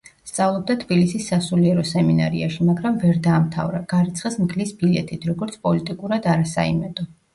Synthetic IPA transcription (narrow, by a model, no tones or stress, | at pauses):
st̪sʼavlˠɔb̚d̪at̪ʰbilisisːasuliɛɾɔsɛmina̰ɾḭaʃimaɡɾamvɛɾd̪aːmt̪ʰa̰vɾaɡ̥aɾit̪sʰχismkʰlisbilɛ̰t̪ʰʼit̪ʰɾɔɡɔɾt̪sʰpʼɔlit̪ʼikʼuɾad̪aɾasa̰ḭmɛd̪ɔ